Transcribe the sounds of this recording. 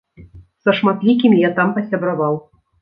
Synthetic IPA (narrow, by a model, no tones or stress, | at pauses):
sɐʂmat̪lʲik̬ʲimʲjat̪ampɐsʲɐbɾavɑw